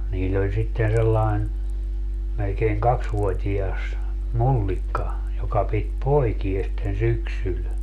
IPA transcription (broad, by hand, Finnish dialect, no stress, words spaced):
niːlː olʲ sitːen selːɑin melkeiŋ kɑksʋuotʲiɑs mulːikːɑ jokɑ pit poikies sitːen syksyl